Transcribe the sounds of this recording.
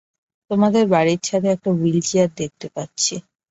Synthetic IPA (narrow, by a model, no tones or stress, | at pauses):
t̪omad̪eɾbaɽiɾt͡ɕʰat̪ʰeɛk̚ʈawild͡ʑiaɾ̚d̪ek̚t̪epatːɕʰi